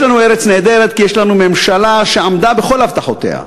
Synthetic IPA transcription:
lanueɾet͡sneːd̪eɾed̪̚kijeʃlanumemʃalaʃeamd̪abexo̞lavt̪aħot̪ḛha̰

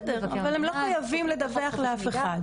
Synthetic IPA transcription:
d̪eʁavalemloχajavimled̪aveaχleafea

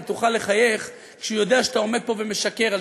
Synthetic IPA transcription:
t̪uχale̞χaje̞χ | kʃujo̞d̪eaʃeat̪ao̞me̞d̪̚po̞veme̞ʃake̞ʁa

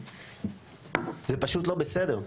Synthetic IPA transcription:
zepaʃut̪lo̞besed̪eʁ

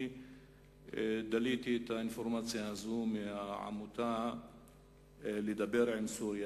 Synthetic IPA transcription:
d̪aliːt̪it̪aɪnfoɾmaːt͡sjaazuːmʕa̰mut̪a | lid̪abeɾʕɪnsuːɾja

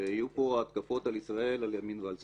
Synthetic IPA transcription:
hajupo̞aːt̪kafo̞t̪alisʁae̞laljaminvealz

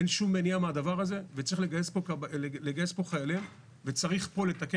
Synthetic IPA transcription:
enʃumːeniamead̪avaʁaze̞vet͡saʁiχleɡajespokleɡajespo̞χajalim | ve̞t͡saʁiχpo̞le̞t̪ake

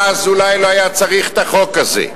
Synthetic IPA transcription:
azulajloajat͡saʁiχt̪aχo̞kazḛ

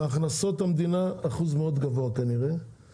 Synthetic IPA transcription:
aχnaso̞t̪hamd̪inaːχuzmeo̞d̪ɡavoakaniʁe

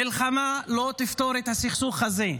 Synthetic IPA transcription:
ɪlχamalot̪ɪft̪oɾet̪hasiχsuχːaze

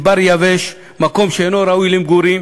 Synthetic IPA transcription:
baɾjaveʃ | mako̞mʃeenoɾaujlimɡuɾim

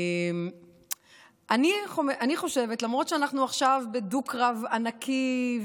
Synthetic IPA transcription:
m | ʔaniχomʔaniχo̞ʃe̞vetlamʁo̞tʃeanaχnuaχʃavbedukʁavanakʰiv

